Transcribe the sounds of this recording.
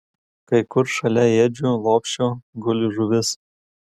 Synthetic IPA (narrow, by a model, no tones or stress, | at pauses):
kɐɪkʊɾʃɐlʲɛeːd͡ʒʲulˠoːpʲʃʲt͡ʃʲoɡʊlʲʊʒʊʋʲɪs